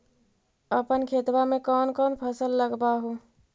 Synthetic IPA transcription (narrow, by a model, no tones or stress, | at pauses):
əpənkʰeːt̪wamẽkɔːnkɔːnpʰəsəlːəɡbaɦo